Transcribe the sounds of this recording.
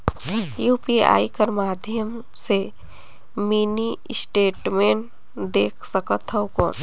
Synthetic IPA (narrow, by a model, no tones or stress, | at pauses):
juːpia̰ːikəɾmaːd̪ʱjəm | se | minisʈeːʈmeːɳʈ | d̪eːkʰsəkət̪ʰːəkɔ̰n